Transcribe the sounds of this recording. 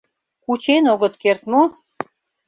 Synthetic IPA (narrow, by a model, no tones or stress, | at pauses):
kut͡ɕenoɣə̆t̪kert̪mo